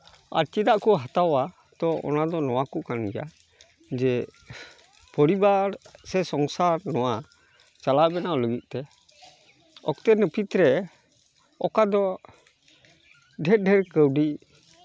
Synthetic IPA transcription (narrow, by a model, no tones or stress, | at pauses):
a̰ɾt͡ʃid̪aʔkɔɦat̪awa | t̪ɔɔ̰nad̪ɔnɔwakɔkanɛja̰ | d͡ʒɛ | pɔɾibaɾsɛsɔŋsaɾnɔwa | t͡ʃalabɛnaɔləɡit̪̚ˀt̪ɛ | ɔ̰kt̪ɛnəpʰit̪ɾɛ | ɔkad̪ɔ | ɖʱɛɾɖʱɛɾkəwɖi